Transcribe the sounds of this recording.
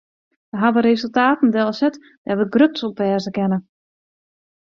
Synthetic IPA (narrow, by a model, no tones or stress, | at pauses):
ʋəɦaʋəɾezɵlˠtaːtn̩dəɛlˠsɛt | d̥ɛʋəɡrøtsɔpʋɛːzəkɛnə